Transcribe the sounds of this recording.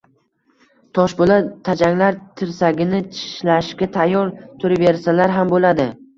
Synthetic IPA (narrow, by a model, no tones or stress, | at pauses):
t̪ʰɒʃbolat̪ʰad͡ʒaŋlaɾt̪ʰɪɾsaɡʲɪnɪt͡ʃʰɪ̥ʃlaʃkʲat̪ʰajɒɾt̪ʰʊɾɪveɾsalaɾɦambolad̪ɪ